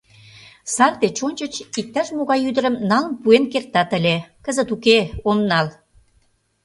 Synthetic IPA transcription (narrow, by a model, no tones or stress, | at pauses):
sɑrt̪et͡ɕonʲt͡ɕə̆t͡ɕik̚t̪ɑʃmoɣɑjyd̪ə̆ɾəmnɑlə̆npuenkert̪ɑt̪ə̆lʲekəzə̆t̪ukeomnɑl